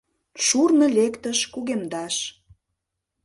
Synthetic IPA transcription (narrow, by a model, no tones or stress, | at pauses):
ʃurnə̆lʲekt̪əʃkuɣemd̪ɑʃ